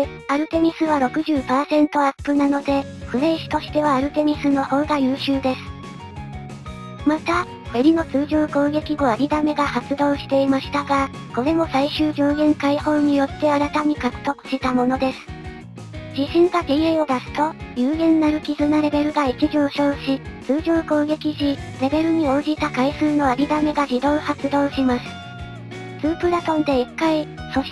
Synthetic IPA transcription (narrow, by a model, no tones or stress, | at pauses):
aɾɯ̟t̪e̞mʲisɨβaɾo̞kɯ̟ʑɨːpaːsẽ̞nt̪o̞apːɯ̟nano̞d̪e̞ | ɸɯ̟ɾe̞ːɕi̥t̪o̞ɕi̥t̪e̞β̞aːɾɯ̟t̪e̞mʲisɨno̞ho̞ːɡajɯ̟ːɕɨːd̪e̞sɨ̥ | mat̪a | ɸeɾʲino̞t͡sɨːʑo̞ːko̞ːɡe̞kʲiɡo̞aɾʲid̪ame̞ɡahat͡sɨd̪o̞ːɕi̥t̪e̞imaɕi̥t̪aɡa | ko̞ɾe̞mo̞saiɕɨːd͡ʑo̞ːɡẽ̞ŋkaiho̞ːɲ̟ijo̞t̪ːe̞aɾat̪amʲikakɯ̟̥t̪o̞kɯ̟̥ɕit̪amo̞no̞d̪e̞sɨ̥ | d͡ʑiɕĩŋɡak̪eieo̞d̪asɨ̥t̪o̞jɯːɡẽ̞nːaɾɯ̟kʲizɨnaɾe̞be̞ɾɯ̟ɡait͡ɕiʑo̞ːɕo̞ːɕit͡sɨːʑo̞ːko̞ːɡe̞kʲiɕiɾe̞be̞ɾɯ̟ɲ̟io̞ːd͡ʑit̪akaisɨːno̞aɾʲid̪ame̞ɡaʑid̪o̞ːhat͡sɨd̪o̞ːɕimasɨ̥ | t͡sɨːpɯ̟ɾat̪õ̞nd̪e̞ikːaiso̞ɕ